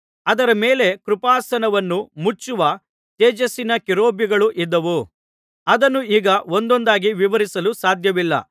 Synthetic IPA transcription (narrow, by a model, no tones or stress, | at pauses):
ɐd̪ɐɾɐmeːle̞kɾupaːsɐnɐʋɐnːumut͡ʃːuʋɐ | t̪eːd͡ʒɐsinɐkiɾo̞ːbiɡɐɭuʔid̪ːɐʋu | ɐd̪ɐnːuiːɡɐo̞nd̪ɔnd̪aːɡiʋiʋɐɾisɐlusaːd̪ʱjɐʋilːɐ̰